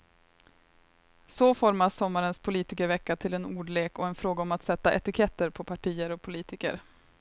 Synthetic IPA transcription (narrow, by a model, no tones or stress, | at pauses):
sɔfɔɾmasːɔmːaɾənspʰʊliːt̪ɪkəɾvɛkːat̪ʰɪlɛnuːɖɭeːkɔɛnfɾoːɡaɔmat̪sɛt̪ːaʔɛt̪ɪkʰɛt̪ːəɾpʰɔpʰaʈʰiːəɾɔpʰʊliːt̪ɪkə̰ɾ